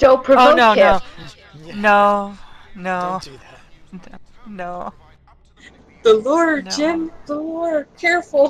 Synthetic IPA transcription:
d̥õʊ̃npʰɹ̥ɨooʊnoʊɪoʊ | noʊnoʊ | noʊ | ðəlɔɹdd͡ʒɪ̃mðəlɔɔɹdkʰɛɹfl̩ˠ

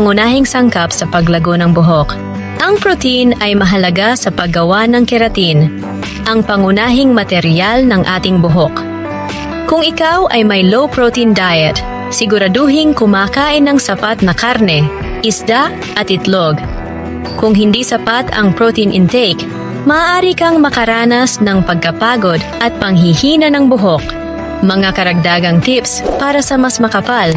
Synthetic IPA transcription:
ŋʊnaːɦɪŋsɐŋkapsɐpɐɡlɐɡonɐŋbʊɦok | ʔɐŋpɹot̪inɐjmɐɦɐlɐɡasɐpɐɡɐwanɐŋkɛɾɐt̪in | ʔɐŋpɐŋʊnaːɦɪŋmɐt̪ɛɾjalnɐŋʔaːt̪ɪŋbʊɦok | kʊŋɪkawʔɐjmɐjlowpɹot̪ind̪ajɛt̪̚ | sɪɡʊɾɐd̪oɦɪŋkʊmaːkaːʔɪnɐŋsɐpat̪̚nɐkaɾnɛ | ʔɪsd̪a | ʔɐt̪ɪt̪loɡ | kʊŋɦɪnd̪isɐpat̪ɐ̰ŋpɹot̪inʔɪnt̪ɛjk | mɐːʔaːɾikɐŋmɐkɐɾaːnɐsnɐŋpɐɡ̚kɐpaːɡo̞d̪ʔɐt̪̚pɐŋɦihiːnɐnɐŋbʊɦok | mɐŋakɐɾɐɡ̚d̪aːɡɐŋt̪ipspaːɾɐsɐmɐsmɐkɐpal

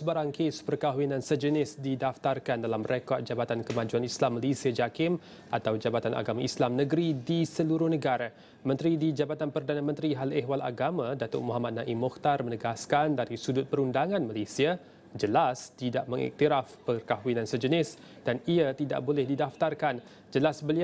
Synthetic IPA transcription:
səbaɾaŋkespərkaɦuinãnsəd͡ʒənɪsdidaft̪arkandalamrekɔt̪̚d͡ʒabat̪ankəmãd͡ʒuanislamːalesiad͡ʒakɪm | ʔat̪awd͡ʒabat̪anʔa̰ɡamaislamnəɡɾidisəluɾʊhnəɡaɾa | mə̃nt̪ɾidid͡ʒabat̪anpərdanamə̃nt̪ɾiɦaleɦwala̰ɡamãdat̪ʊ̰ʔmuɦamat̪̚nãʔimɔkt̪armənəɡaskandaɾisudʊt̪̚pəɾundaŋãnmalesia | d͡ʒəlast̪idaʔməŋḭk̚t̪iɾafpərkaɦwinãnsəd͡ʒənɪs | d̥aniat̪ida̰ʔbolɛhdidaft̪arkan | d͡ʒəlasbəli

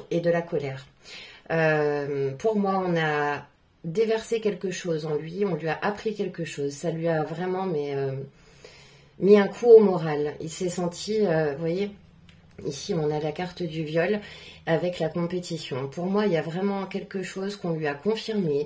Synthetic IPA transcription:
ed̪əlakɔlɛʁ | ømpuʁmwaɔ̃na | d̪evɛʁsekʲɛlkəʃozɑ̃lɥiɔ̃lɥiaʔapχikʲɛlkəʃozsalɥiavʁɛmɑ̃mɛø | miɛ̃kʰuomɔʁalilsɛsɑ̃t̪ʰiøvwaje | isiɔ̃nalakaʁt̪d̪yvjɔlavɛklakɔ̃pet̪isjɔ̃puʁmwailjavʁɛmɑ̃kʲɛlkəʃozkɔ̃lɥiakɔ̃fiʁme

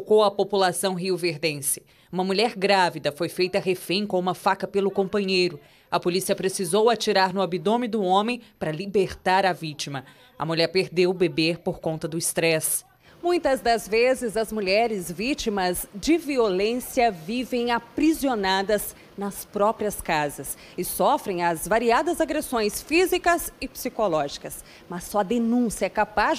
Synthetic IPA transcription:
kowɐpopulasɐ̃w̃ɦiʊveɾd̪ẽsɪ̥ | ũmɐmuʎɛɾɡɾavid̪ɐfojfejt̪ɐɦefẽj̃kõũmɐfakɐpelʊkõmpɐ̃ɲejɾʊ | ɐpolisiɐpɾesizowat͡ʃiɾaɾnʊabid̪õmid̪ʊõmẽj̃pɾɐlibeɾt̪aɾɐvit͡ʃimɐ | ɐ̰muʎɛɾpeɾd̪ewbebeɾpoɾkõnt̪ɐd̪ʊist̪ɾɛs | mũj̃t̪ɐzd̪ɐzvezɪzɐzmuʎɛɾɪzvit͡ʃimɐzd͡ʒɪviolẽsiɐvivẽj̃apɾizionad̪ɐz | nɐspɾɔpɾiɐskazɐs | ɪsɔfɾẽj̃ɐzvaɾiad̪ɐzaɡɾesõj̃sfizikɐzɪpsikolɔʒikɐs | mɐsːɔɐd̪enũsjɐɛkapa

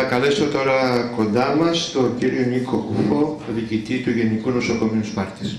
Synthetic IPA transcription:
ɐkɐle̞so̞t̪o̞ɾɐko̞nd̪ɐmɐst̪o̞ciɾioniko̞kufo̞ðicit̪it̪uʝe̞nikuno̞so̞ko̞minuspɐɾt̪i̥s

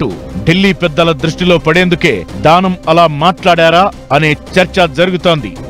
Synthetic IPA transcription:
ʈṵɖilːiːpɛd̪ːɐlɐd̪ɾuʂʈilo̞ːpɐɽeːnd̪uke̞ːd̪aːnɐmɐlaːmaːʈlaːɽaːɾaː | ɐne̞ːt͡ʃɐɾt͡ʃɐd͡ʒɐɾuɡut̪o̞ːnd̪ḭ

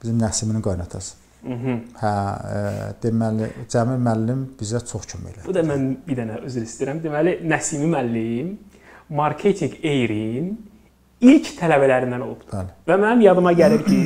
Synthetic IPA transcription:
b̥izimnæsiminiŋɡɑjnɑt̪ʰɑsɯ̥ | ɦ̩hæ | d̪̥emælḭd͡ʒæmimælːimb̥izæt͡ʃʰoχcʰømæ̰jlæb̥ud̪ɑmænbiɾd̪ænæøzyɾist̪iɾæmd̪emælinæsimimælːim | mɑɾkʰe̞t̪ʰiŋɡejɾin | ilcʰt̪ʰælæbælæɾind̪æno̞̰lˠub̪ælvæmænimjɑd̪ɯmɑɟæliɾcʰi

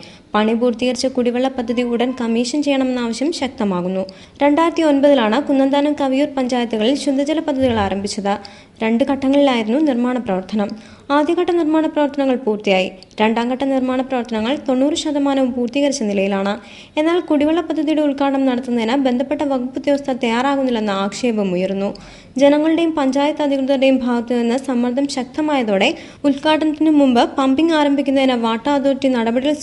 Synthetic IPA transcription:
pɐɳip̬uːrt̪iɣɐrit͡ɕːɐkuɽiʋɐɭːɐpɐd̪ʱːɐðiuɽɐnkɐmiːʂɐnt͡ɕe̞jːɐɳɐme̞nːaːʋɐɕjɐmɕɐk̚t̪ɐmaːɣunːu | ɾe̞ɳɖaːjiɾɐt̪ːio̞nbɐðilaːɳɨkunːɐnd̪aːnɐmkɐʋijuːrpɐɲd͡ʑaːjɐt̪ːuɣɐɭilɕud̪ʱːɐd͡ʑɐlɐpɐd̪ʱːɐðiɣɐɭaːɾɐmbʱit͡ɕːɐðɨ | ɾe̞ɳɖukɐʈːɐŋːɐɭilaːjiɾunːunirmaːɳɐprɐʋɐrt̪ʰɐnɐm | aːd̪jɐkɐʈːɐnirmaːɳɐprɐʋɐrt̪ʰɐnɐŋːɐɭpuːrt̪ijaːji | ɾe̞ɳɖaːŋɡɐʈːɐnirmaːɳɐprɐʋɐrt̪ʰɐnɐŋːɐɭt̪o̞nːuːrɨɕɐd̪ɐmaːnɐʋumpuːrt̪iɣɐɾit͡ɕːɐnilɐjilaːɳɨ | e̞nːaːlkuɽiʋɐɭːɐpɐd̪ʱːɐðijuɽeulkaːɳɐmnɐɽɐt̪ːunːɐðinɐbe̞nd̪ʱɐpːe̞ʈːɐʋɐɡupːud̪jɐʋɐst̪ʰɐt̪ɐjaːɾaːɣunːilːe̞nːɨaːkʂe̞ːbɐmujɐrunːu | d͡ʑe̞nɐŋːɐɭiɽe̞jumpɐɲd͡ʑaːjɐt̪ːɐd̪ʱikrɨðɐɽe̞jumbʱaːɡɐt̪ːunːɐðenːɨsɐmʋɐrd̪ʱɐmɕɐk̚t̪ɐmaːjɐðoːɽe̞ | ulkaːʈːɐnɐt̪ːinɨmːumbɨpɐmpiŋɡaːɾɐmbʱikʲːunːɐðinɐʋaːʈːaːd̪oːtːinɐɽɐbɐɽijɐl

